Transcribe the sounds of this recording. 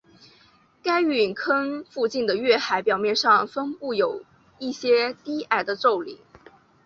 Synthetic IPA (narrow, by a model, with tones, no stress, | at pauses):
ka˥ɪy˨˩nkʰə˥nfu˥˧t͡ɕi˥˩nd̪ə˩ɥɛ˥˩xa˧˥ɪpjɑ˨˩ʊmjɛ˥˧nʂɑ˥˧ŋfə˥ŋpu˥˩jo˨˩ʊ | i˥˩ɕjɛ˥t̪i˥a˥˩ɪd̪ə˧ʈ͡ʂo˥˩ʊlḭ˨˩˦